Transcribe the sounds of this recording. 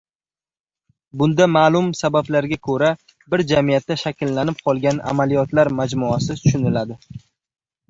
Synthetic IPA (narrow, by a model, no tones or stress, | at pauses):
bʊnd̪amaːlˠʊmsabablaɾɡʲakʰɵɾa | bɪɾd͡ʒamijat̪ːaʃakʲʰɪlːanɪp̚qʰɒlˠɡʲana̰malijɒt̪laɾmad͡ʒmʊasɪt̪t̪ʰʊ̥ʃʊnɪlad̪ɪ